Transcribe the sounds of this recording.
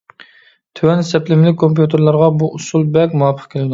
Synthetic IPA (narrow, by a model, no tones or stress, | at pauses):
t̪ʰøwɛnsɛplɪmɪlɪk̚ʲkʰːompjut̪ʰeɾlˠɑɾʁɑbuʔusulˠbɛkʲmuɑpʰə̥χkʲʰelɪd̪u